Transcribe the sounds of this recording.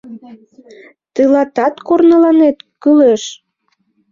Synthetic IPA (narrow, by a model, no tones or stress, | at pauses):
t̪əlɑt̪ɑt̪kornəlɑnet̪kəleʃ